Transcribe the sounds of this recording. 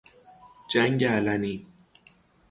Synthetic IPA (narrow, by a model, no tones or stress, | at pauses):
t͡ʃaŋjalani